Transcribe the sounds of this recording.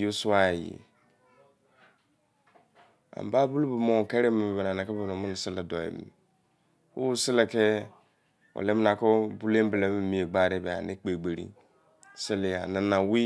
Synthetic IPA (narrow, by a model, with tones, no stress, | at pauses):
jo˦su˦a˦e˨jḭ˨ | a̰˨m˨ba˦bu˦lu˦bu˨mo˦˨ke˦ɾe˦mi˨bbe˨na˨na˨kɛ˦be˨no˨mʊ˦n˨sɪ˦le˨dɔ˨ḛ˨m̰˨ | wṵ˦sɪ˦le˨ke˦ | o̰˨le˦m˦na˨ko˦bu˦le˦m˦ble˨mi˦˨mi˨˦e˨ɡ͡ba˦˨de˦˨be˨a̰˨nɪ˦k͡pe˨ɡ͡be˨ɾḭ˦ | se˦li˨a̰˨nɪ˨na˨wi˦